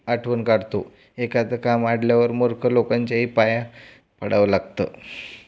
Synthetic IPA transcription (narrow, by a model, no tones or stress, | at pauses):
aʈʰʋənkaɽt̪o | ekat̪əkamaɽljaʋəɾmoɾkʰəlokaɲt͡ɕjaɦiːpaja | pəɽaʋəlaɡt̪ə̰ː